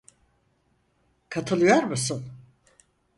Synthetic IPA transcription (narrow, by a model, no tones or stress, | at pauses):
kʰat̪ʰɯlˠɯjoɾmusun